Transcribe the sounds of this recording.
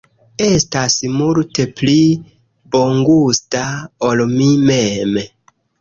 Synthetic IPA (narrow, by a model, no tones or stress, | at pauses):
e̞stasmulte̞pli | bo̞ŋɡustaolmimem